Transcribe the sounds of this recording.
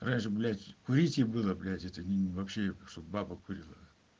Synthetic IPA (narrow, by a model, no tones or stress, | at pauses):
ranʲʂɨblʲætʲkʊɾʲitʲɪbɨlˠəblʲætʲɛt̪ənʲɪvɐpɕːeʂt̪obbabəkuɾʲilˠə